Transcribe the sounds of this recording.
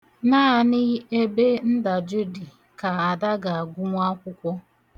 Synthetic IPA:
naː˦a˨nɪ˦ɣe˦be˦n̩˦da˨d͡ʒu˦di˨ | ka˨a˨da˦ɡa˨a˨ɡʷʊ˦ŋʷ˦a˦kʷʊ˦kʷɔ˦

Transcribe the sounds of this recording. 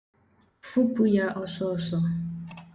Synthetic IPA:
fu˦pu˦ja˦ʔɔ˦sɔ˦˨sɔ˨

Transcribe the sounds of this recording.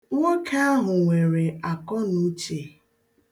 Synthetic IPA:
ŋʷo˦kʰa˦a˦ɦʊ˨ŋʷe˨ɾe˨a˨kɔ˦nu˦t͡ʃe˨

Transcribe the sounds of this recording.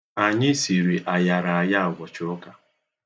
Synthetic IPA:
a˨ɲɪ˦si˨ɾi˨ʔa˨ja˨ɾa˨a˨ja˦˨ɡɔ˨t͡ʃʊ˦ʊ˦ka˨

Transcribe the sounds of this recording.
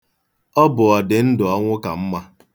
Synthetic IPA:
ɔ˦bʊ˨ɔ˨dɪ˨n̩˦dʊ˨ɔ˦ŋʷʊ˦ka˨m̩˦ma˦

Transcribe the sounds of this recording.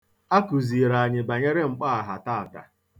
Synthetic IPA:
a˦ku˨zi˨ɾa˨a˨ɲɪ˨ba˨ɲe˦ɾe˦ŋ͡m̩˨k͡pa˦a˨ɦa˨ta˦a˨ta̰˨

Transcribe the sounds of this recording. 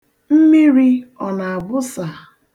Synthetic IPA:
m̩˦mi˦ɾi˦ɔ˨na˨a˨bʊ˦sa˨

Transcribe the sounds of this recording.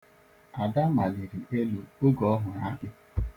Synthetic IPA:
a˨da˦ma˨li˨ɾi˨e˦lu˨o˦ɡɔ˨ɔ˦ɦʊ˨na˦bɪ˦

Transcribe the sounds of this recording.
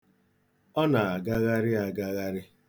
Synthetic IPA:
ɔ˦na˨a˨ɡa˦ɣa˦ɾɪ˦a˨ɡa˦ɣa˦ɾɪ˦

